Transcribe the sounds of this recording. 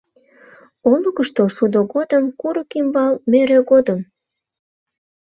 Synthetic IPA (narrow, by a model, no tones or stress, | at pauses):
oləɣəʃt̪oʃud̪oɣod̪əmkuɾəkimbɑlmeɾeɣod̪əm